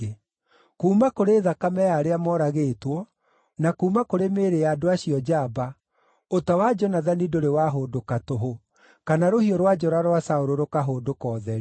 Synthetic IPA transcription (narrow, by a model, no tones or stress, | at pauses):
kuːmakoɾeðakamɛjaɾeamɔɾaɣeːtwɔ | nakuːmakoɾemeːɾeaːdoaɕiɔd͡ʒaba | otawad͡ʒɔnaðanidoɾewaɦoːdokatoɦo | kanaɾohiɔɾwad͡ʒɔɾaɾwasaoɾoɾokaɦoːdokɔːðɛɾ